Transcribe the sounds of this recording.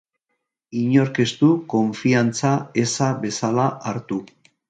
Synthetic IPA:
iɲo̞ɾke̞st̪uko̞ɱfiant͡sae̞saβe̞salaʔaɾt̪u

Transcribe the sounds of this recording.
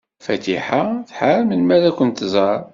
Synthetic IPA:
fæt̪iħaθħaɾmənmæðækʷənt̪zˤɑɾˤ

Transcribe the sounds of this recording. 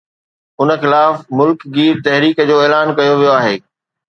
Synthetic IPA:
ʊnə̆xɪlaːfmʊlkɡiːɾt̪ɛɦɾiːkəd͡ʑoːeːlaːnkɐjoʋijoaːɦeː

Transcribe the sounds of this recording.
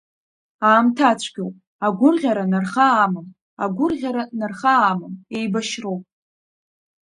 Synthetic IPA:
aːmtʰat͡ɕʷʰɡʲowpʼ | aɡʷʊrʁʲaɾanarχaːmɨn | a̰ɡʷʊrʁʲaɾanarχaːmɨne̞jbaʃrowpʼ

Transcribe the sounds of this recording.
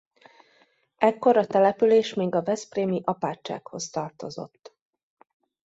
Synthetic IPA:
ɛkːo̞ɾɒt̪ɛlɛpyleːʃmeːɡɒvɛspreːmiʔɒpaːt͡ʃːa̰ːkho̞st̪ɒrt̪o̞zo̞̰t̪ː

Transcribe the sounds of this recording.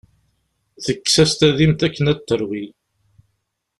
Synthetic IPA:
θəkːsæst̪æðimt̪ækːənæt̪ːəɾwil

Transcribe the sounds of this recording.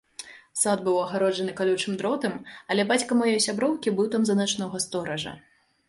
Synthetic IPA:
sad̪̚bɨwɐɣaɾɔd͡ʒɐnɨkalʲut͡ʂɨmd̪ɾɔt̪ɨmɐlʲɛbat͡sʲkɐmajɔjsʲabɾɔwkʲibɨwt̪amzɐnat͡ʂnɔɣɐst̪ɔɾɐʐɐ̰

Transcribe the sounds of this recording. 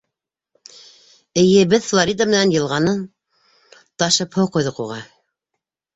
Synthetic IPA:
ɘ̆jɘ̆bɘðflˠoɾʲid̪amɘ̆nænjɤ̆lˠʁɑnɤn | t̪ɑʃɤphowqujðɤquʁɑ

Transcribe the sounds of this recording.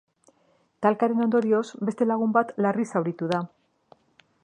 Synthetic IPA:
t̪alkaɾe̞no̞nd̪o̞ɾio̞zbe̞st̪e̞laɣ̞umbat̪larisawɾit̪uð̞a

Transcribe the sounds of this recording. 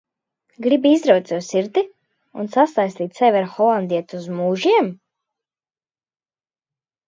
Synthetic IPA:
ɡɾibiizɾawt̪suwsiɾd̪i | ṵnsasajslʲiːt̪ʲsɛvʲaɾxɔlˠand̪iɛt̪uzmuːʒiɛm

